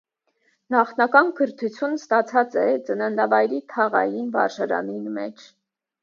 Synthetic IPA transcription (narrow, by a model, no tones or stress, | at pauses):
nɑχnɑkɑnkʰəɾt̪ʰut͡sʰjunst̪ɑt͡sʰɑt͡sɛt͡sənənd̪ɑvɑjɾit̪ʰɑʁɑ̰jinvɑ̰ɾʃɑɾɑ̰ninmɛt͡ʃʰ